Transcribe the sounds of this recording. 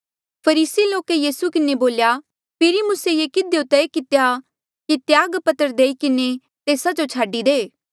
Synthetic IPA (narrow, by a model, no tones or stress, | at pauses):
pʰɐɾiːsiloːkejiːsukɪneboːlja | pʰɪɾimʊsejeːkɪd̪jot̪ɛekɪt̪eja | kit̪jaːɡpɐt̪əɾd̪eːikɪne | t̪eːsad͡ʒot͡ʃʰaːɖid̪eː